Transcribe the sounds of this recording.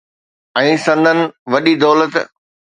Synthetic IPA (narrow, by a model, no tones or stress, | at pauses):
ɛ̃ːsɐ̃nd̪ʱənɪ̆ʋɐɗid̪ɔːlət̪